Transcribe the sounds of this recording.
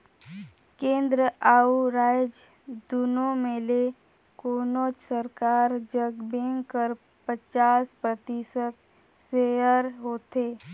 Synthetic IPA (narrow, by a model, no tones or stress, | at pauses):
kẽːnd̪ɾəʔaːuɾaːjd͡ʒ | d̪unomẽle | koːnoːt͡ʃsəɾkaːɾd͡ʒəɡbẽːŋkːəɾ | pət͡ʃaːspɾət̪iːsək̪ | seəɾɦoːt̪eː